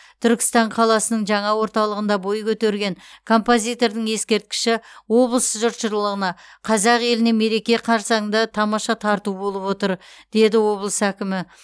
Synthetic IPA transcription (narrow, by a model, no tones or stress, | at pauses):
t̪ʰʏɾkʲɪ̥st̪ɑɴqʰɑlˠɑsənəɴʒɑɴɑwo̞ɾt̪ɑlˠəʁənd̪ɑbo̞jkʲʰɵt̪e̞ɾɡʲe̞ŋkʰo̞mpo̞zʲijt̪o̞ɾd̪ɪŋje̞skʲe̞ɾt̪̚kʲɪ̥ʃɪwo̞blˠəsʒʊɾt̪ʃəɾlˠəʁənɑqʰɑzɑqje̞lɪne̞me̞ɾe̞kʲe̞qʰɑɾsɑnd̪ɑt̪ʰɑmɑʃɑt̪ʰɑɾt̪ubo̞lˠəpwo̞t̪əɾd̪̥e̞d̪ɪwo̞blˠəsækʲɪmɪ